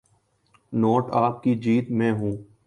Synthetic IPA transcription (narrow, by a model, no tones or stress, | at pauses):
noːʈaːp̚kid͡ʒiːt̪mẽɦũː